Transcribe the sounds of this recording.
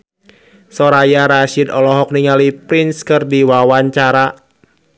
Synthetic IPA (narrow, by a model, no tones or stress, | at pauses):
sɔɾajaɾaʃɪd̪ɔlɔɦɔk̚niŋalipɾinskɨrdiwawaɲt͡ʃaɾa